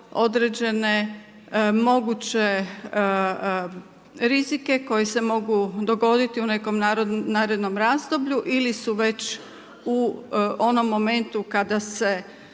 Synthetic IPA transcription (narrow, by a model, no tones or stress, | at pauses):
o̞d̪ɾed͡ʑe̞ne̞ | mo̞ɡut͡ɕe̞ | ɾizike̞ko̞jese̞mo̞ɡud̪o̞ɡo̞d̪it̪iune̞ko̞mnaɾnaːɾe̞d̪no̞mɾaːzd̪o̞bʎuʔilisuʋe̞t͡ɕ | uo̞no̞mːo̞me̞nt̪ukad̪ase̞